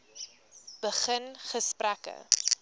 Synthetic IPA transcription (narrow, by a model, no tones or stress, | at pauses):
b̥əχənχəsprækə̰